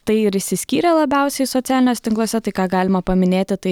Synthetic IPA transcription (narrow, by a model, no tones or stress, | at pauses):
t̪ɐɪɪɾɪʃsʲɪsʲkʲiːɾʲɛlˠɐbʲæˑʊsʲɛɪsot̪sʲæːlʲɪnʲoːsʲɛt̪ʲɪŋklˠoːsʲɛt̪ɐɪkɑːɡɑːlʲɪmɐpɐmʲɪnʲeːt̪ʲɪt̪ɐɪ